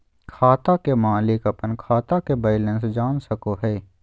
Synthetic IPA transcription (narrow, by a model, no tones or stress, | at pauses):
kʰaːt̪akemaːlɪkɐpənkʰaːt̪akebɐɪlə̃nsd͡ʒaːnsɐkoɦɛː